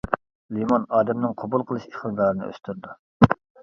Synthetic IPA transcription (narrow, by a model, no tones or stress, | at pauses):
limɑnɑːd̪ɛmnɨŋqʰobulˠqʰəlˠɨʃeχɨd̪ɑːɾɨnɨ̰ʔø̰st̪yɾd̪u